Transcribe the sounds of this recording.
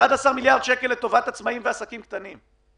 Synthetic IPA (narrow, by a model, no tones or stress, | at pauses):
ad̪asaʁmiljaʁd̪ʃeke̞let̪o̞vat̪at͡smaimveasakimkt̪anim